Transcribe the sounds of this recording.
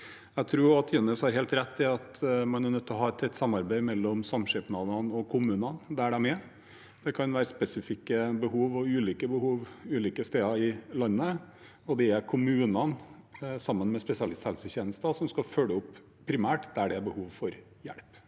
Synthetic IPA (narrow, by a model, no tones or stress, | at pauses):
æɪt̪ʰɾuːɑt̪ʰjɛnəshɑɾɦeːlt̪ɾɛt̪ʰːɪɑt̪mɑnæɾnœt̪ʰːɔɦɑːɛt̪ʰɛt̪ːsɑmɑɾbæɪmɛlːɔmsɑmːʂɛpnɑʋnɑnɔkʰʊmʉːnɑnd̪ææɖæmɛ | d̪̥ɛkʰɑnʋæːɾəspɛsɪfɪkːəbəɦuːʋɔʉːliːkəbəhuːʋʉːliːkəst̪eːɑɪlɑnːə | ɔd̪ɛækʰʊmʉːnɑnsɑmːənmɛspɛsɪɑlɪst̪hɛlsəɕeːnəst̪ɑsɔmskɑfølːəʊpː | pʰːɾɪmæːʈd̪̥ææɖɛbəhuːʋfɔɾ | jæ̰ɽp